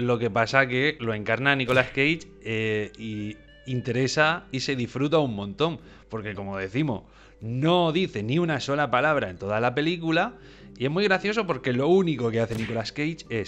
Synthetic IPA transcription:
lo̞ke̞pasake̞lo̞e̞ŋkaɾnaniko̞laeskejt͡ʃ | ei | int̪e̞ɾe̞saise̞ðifɾut̪̬aummːõ̞nt̪o̞m | po̞ɾke̞ko̞mo̞ðe̞θimo̞̰s | no̞ðiθe̞niunaso̞lapalaβ̞ɾae̞nt̪o̞ðalape̞likula | ie̞ɦmwujɣɾaθjo̞s̬o̞po̞ɾke̞lo̞uniko̞ke̞aθe̞niko̞laskejt͡ʃe̞s

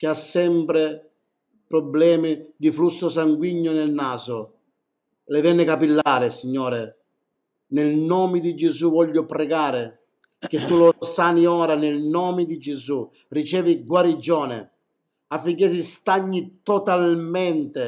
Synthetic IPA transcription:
k̟ɪasːɛmpɾɪ | pɾɔblɛːmɪd̪iflusːʊsaŋɡwiɲːʊnɪlnaːzʊ | lɪvɛnːɪkapilːaːɾɪsiɲːɔːɾɪ | nɪlnɔːmɪd̪id͡ʒɪzuvɔʎːʊpɾɛɡaːɾɪ | k̟ɪt̪ːulʊsaːniɔːɾanɪlnɔːmɪd̪id͡ʒɪzu | rit͡ʃɛːviɡwaɾid͡ʒɔːnɪ̰ | afːiŋk̬es̬ist̪aɲːit̪ɔt̪almɛnt̪ɪ

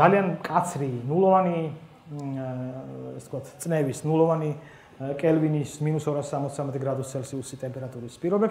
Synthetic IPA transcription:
aliankʼat̪sʰɾinulˠɔvani | ɛsɛt̪kwat̪ʰt̪sʼnɛvisnulˠɔvani | kʼɛlvinisminusɔɾasːamɔt̪ssamɛt̪ʼɛɡɾad̪ust̪sʰɛlsiusit̪ʼɛmpʼɛɾat̪ʼuɾispʼiɾɔbɛʃ

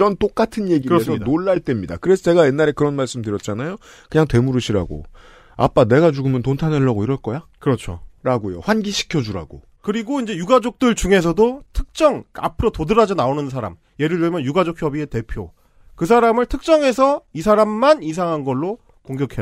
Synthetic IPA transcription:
ʌnt͈ok͈atʰɯnje̞ɡikesʰʌnoɭːaɭt͈e̞mɲida̰kɯɾe̞sʰʌt͡ɕe̞ɡaje̞nːaɾe̞kɯɾʌnmaɭs͈ɯmdɯɾjʌt̚t͡ɕ͈anajo | kɯɲaŋtwe̞muɾɯɕʰiɾa̰ɡo̰ | a̰p͈ane̞ɡad͡ʑuɡɯmjʌntontʰanweɭːaɡoiɾʌɭk͈ʌjakɯɾʌt͡ɕʰoɾaɡojo̰ɸwanɡiɕʰi̥kʰjʌd͡ʑuɾa̰ɡo̰ | kɯɾiɡoind͡ʑe̞juɡad͡ʑok̚t͈ɯɭt͡ɕuŋe̞s̬ʰʌdotʰɯk̚t͡ɕ͈ʌŋa̰pʰɯɾotodɯɾad͡ʑonaonɯnsʰaɾa̰m | je̞ɾɯɭjɯɭmjʌnjuɡad͡ʑok̚ʰjʌbie̞te̞pʰjo | kɯsʰaɾamɯɭtʰɯk̚t͡ɕ͈ʌŋe̞s̬ʰʌis̬ʰaɾamːanis̬ʰaŋɦanɡʌɭːo | koŋɡjʌkʰe

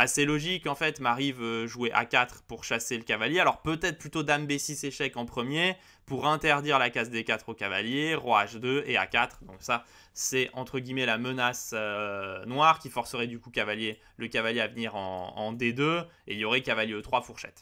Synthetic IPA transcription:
aselɔʒikɑ̃fɛt̪maʁivøʒueʔa̰kʲat̪χpuʁʃaseləkavaljealɔʁpøt̪ɛt̪χplyt̪od̪ambesiseʃɛkɑ̃pχəmje | puʁɛ̃t̪ɛʁd̪iʁlakazd̪ekat̪χokava̰ljeʁoaʒd̪øea̰kat̪χd̪ɔ̃ksa | sɛɑ̃t̪χəɡʲimɛlamənasønwaʁkʲifɔʁsəʁɛd̪ykukavalje | ləkavaljeavniʁɑ̰̃ɑ̰̃d̪ed̪øeiljɔʁɛkavaljeot̪χwafuʁʃɛ̰t̪

